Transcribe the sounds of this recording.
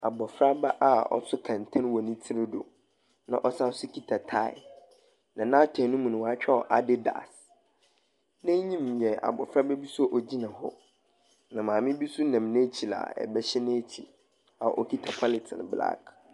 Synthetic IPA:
a˨bɔ˨fɾa˦ba˦ʔa̰˦ɔ̰˦sʊ˦kʰã˨n˨tʰã˦n˦wɔ˨nĩ˦tʰɪ˦ɾɪ˦do̰˨ | nã˦ʔɔ˦sa˦sʊ˦kʰi˦tʰa˨tʰa˦ɪ̰˨ | nã˨nã˦tʰɛ̃˨˦nʊ̃˦mũ˨nʊ̃˨wa˦t͡ɕᶣɛ˦ɔ˨ʔa˨dɪ˦da̰˨s | nɛ̃˦ɲĩ˦m˨jɛ˨a̰˨bɔ̰˨fɾa˦bɛ˦bi˦sʊ˦ɔ˦ʔɔ˨d͡ʑi˦nã˨ɦɔ̰˦ | nã˨mãː˨mɪ̃˦bi˦sʊ˦nã˨m˨nẽ˦t͡ɕʰi˨la̰˨ɛ̰˨bɛ˦ɕɛ˦nɪ̃˦tʰi˨ | a̰˨ʔɔ˦kʰi˦tʰa˨pʰa˦lɪ˨tʰɪ̰˨n˨bla̰˦kʰ

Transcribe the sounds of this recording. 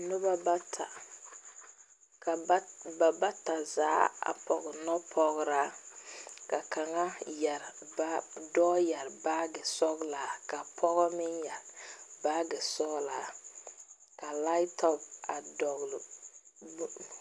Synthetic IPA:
nʊ˦ba˦ba˦tʰa˨ | ka˨ba˨ba˦ta˨zaː˨˦a̰˨pɔ˨ɡɪ˨nɔ˦pʰɔ˨ɡɾa˦ | ka˨ka˨ŋa˦ja˨ɾba˦dɔː˦ja˨ɾbaː˦ɡɛ˨sɔ˦ɡlaː˨˦ka˨pʰɔ˦ɣɔ˦mɪ˦nja˨ɾbaː˦ɡɛ˨sɔ˦ɡlaː˨ | ka˨la˦ɪ˦tʰɔ˦pa˨dɔ˨ɣl

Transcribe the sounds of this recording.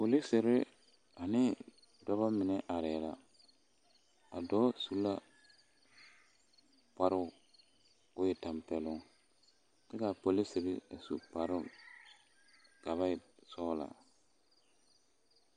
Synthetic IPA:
po˨li˦sɪ˨ɾɪ˦ | a˨nɪ˦ | da˦βa˦mɪ˨nɛ˦ʔa˨ɾɛ˨la˦ | a̰˨dɔ˦su˦la˦ | pa˨˦ɾʊ˦˨ | ʊ˦jɛ˨ta˨mpɛ˨lʊ˦ŋ | tɛ˦ka˨po˨li˦sɪ˨ɾɪ˦a̰˨sṵ˨pa˨ɾʊ˦ | ɡ̥a˨βa˦ɪ˨sɔː˦la̰˨

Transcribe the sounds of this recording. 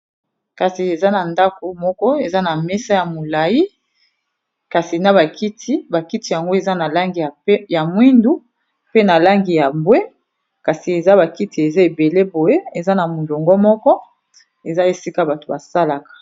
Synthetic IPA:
ka˨si˨e˨za˦na˨nda˦ko˨mɔ˦kɔ˦e˨za˦na˨mɛ˦sa˦ja˨mo˨la˨ji˦ | ka˨si˨na˦βa˨ki˦tʰi˦ba˨ki˦ti˦ja˨ŋɡo˦e˨za˦na˨la˦ŋɡi˨a˨˦ja˨mwi˦ndu˦ | pe˦na˨la˦ŋɡi˨ja˨mbwe˦ | ka˨si˨e˨za˦ba˨ki˦ti˨e˨za˦e˨be˨le˦bo˨je˦e˨za˦na˨mo˨lo˨ŋɡɔ˦mɔ˦kɔ˦ | e˨za˦e˨si˦ka˦ba˨to̥˨ba˨sa˦la˨kḁ˨

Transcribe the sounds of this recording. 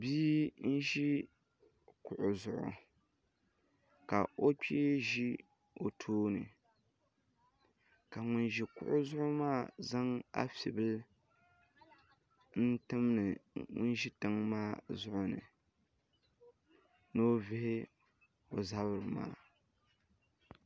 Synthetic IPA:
biː˦n̩˦ʒi˦ | kʊ˨ʔʊ˨zʊ˨ʔʊ̰˨ | ka˨o˦k͡peː˦ʒi˦ | o˨tʰoː˦nɨ̰˨ | ka˨ŋʊ˦nʒi˨kʊ̰˦ʔʊ˦zʊ˦ʔʊ˦maː˦˨za˦ŋa̰˦fḭ˨bɨ˦l | n̩˦tɨ˦mnɨ˨ŋʊ̰˦nʒi˦tɨ˦˨ŋmaː˦˨zʊ˦ʔʊ˦nɨ̰˨ | no˦vɪ˦hɪ˦ | o˨za˦bɨ˨ɾɨ˨ma̰ː˦

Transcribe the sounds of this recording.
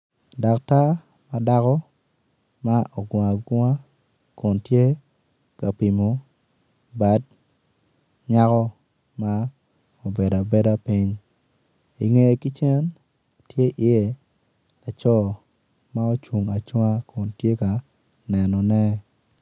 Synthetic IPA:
da˨kta˦ | ma˦da˦kɔ˦ | ma˦ʔɔ˨ɡa˨a˨ɡa˦ | kɔ˨ntje˦ | ka˨pi˨mo˨ | ba˨˦d̚ | ɲa˦kɔ˦ | ma˦ | o˨be˨da˨bɛ˦da˦pi˦ɲ | i˨ŋe˨ki˦t͡ʃɛ˦n | tje˦ʔɪ˨je˨ | la˨t͡ʃɔ˦ | ma˦o˦t͡ʃu˨ŋa˨t͡ʃɔ˦a˦kʰɔ˨ntje˦ka˨ | nɛ˨nɔ˨nɛ˦

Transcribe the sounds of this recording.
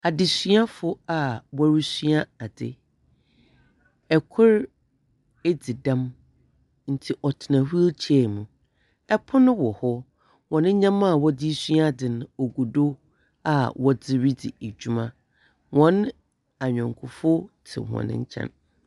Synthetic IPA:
a˨dɪ˨sɥa˦fʊ˦a˨wɔ˦ɾi˦sɥa˦a˨dɪ̰˨ | ɛ˨kʰʊ˦ɾ | e˦d͡zi˨dã˦m | n̩˨tʰɪ˨ʔɔ˨tʰɪ˨nã˨hu˦t͡ɕʰɛ˦˨mʊ̃˨ | ɛ˦pʰʊ˦nʊ̃˦wɔ˨hɔ˦ | wɔ̃˨nɪ̃˦ɲã˦ma˦˨wɔ˦dɪ˦sɥa˦dɪ˨nʊ̃˨o˨ɡu˨do˦ | a˨wɔ˦d͡zɪ˦ɾi˦dɪ˨e˨d͡ʑᶣu˦mã˦ | wɔ̃˨n˦ | a˨ɲᶣɔ̃˨ŋ˨kʰʊ˨fʊ˦tʰɪ̰˨hɔ̰̃˨nɪ̰̃˦ɲ̩˦t͡ɕʰɛ̰˦n

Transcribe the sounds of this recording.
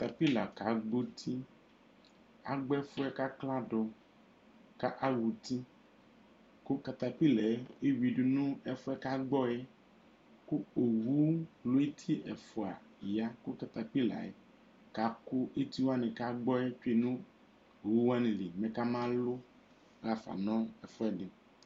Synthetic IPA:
a˨t̪a˨pi˦la˨ka˨ɡ͡bo˦t̪ʰi˦ | a̰˨ɡ͡bɛ˦fo˦ɛ˦ka˦kla˦ɖɔ˨ | ka˦ʔa˦wu˨t̪i˦ | ko˦ka˨t̪a˨pi˦lɛ˨˦e˦wi˨ɖu˨nũ˦ɛ˦fo˦ɛ˦ka˦ɡ͡bɔ˦ɛ˦ | ku˦o˨wu˦lo˦e˦t̪ʰi˦ʔɛ˨fo˨a̰˨ | ja˦ku˦ka˨t̪a˨pi˦la̰˨ḛ˦ | ka˨ko˦e˦t̪i˦wo˦a˦nẽ˨ka˦ɡ͡bɔ˦e˦t͡ʃe˦˨nũ˦ | o˨wu˦wa˦nẽ˨li˨mẽ˨ka˦mã˦lo˦ | ɾa˨fa̰˨nɔ̃˦ɛ˨fɔ˦ɛ˦ɖe˨

